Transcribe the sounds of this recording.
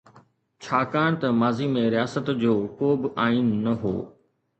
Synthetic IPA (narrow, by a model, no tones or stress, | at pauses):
t͡ɕʰaːkaːɽ̃t̪ɐmaːzimẽɾijaːsət̪d͡ʑoːkoːbɪʔaːiːnːɐɦo̰ː